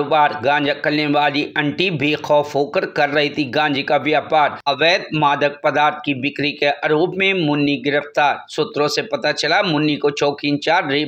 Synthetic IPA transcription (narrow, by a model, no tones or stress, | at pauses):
oːbaːɾɡãːnd͡ʒɐkəlneʋaːliʔɐ̃ɳʈibʱixɔːfɦoːkəɾkɐɾːɐɦit̪ʰiɡãːd͡ʒikaʋjaːpaːɾɐʋeːd̪̚maːd̪ək̚pɐd̪aːɾt̪̚ʰkibɪkɾikeʔɐɾoːbmẽmʊnːiɡɪɾəft̪aːɾsʊt̪ɾõsepɐt̪at͡ʃɐlamʊnːikot͡ʃoːkiːnt͡ʃaːɾɾi